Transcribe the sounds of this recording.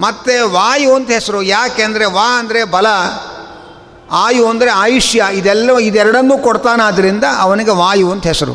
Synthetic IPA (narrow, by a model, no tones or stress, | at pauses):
mɐt̪ːeʋaːjuond̪ɦɛsɐɾujaːkeɐnd̪ɐɾeʋaːɐnd̪ɐɾe̞bɐlɐ | aːjuɐnd̪ɐɾeaːjiʂjɐid̪ɛlːɐid̪ɛɾɐɽɐnːuːkɔɽt̪aːnaːd̪ɐɾind̪ɐʔɐʋɐniɡe̞ʋaːjuond̪ɦɛsɐɾṵ